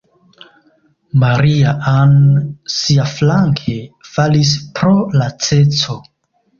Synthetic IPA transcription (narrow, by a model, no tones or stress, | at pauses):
maɾiaansiaflaŋkʰe̞falis̬pɾo̞lat͡se̞t͡so̞